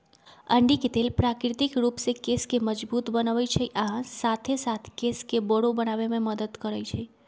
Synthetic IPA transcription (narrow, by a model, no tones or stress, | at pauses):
əɳɖikiʈelpɾakɾit̪ikɾupsekeskeməd͡ʒbut̪bənaʋəjt͡ʃʰeʔãsat̪ʰesat̪ʰkeskebəɽobənaʋemẽməd̪əd̪kəɾajt͡ʃʰe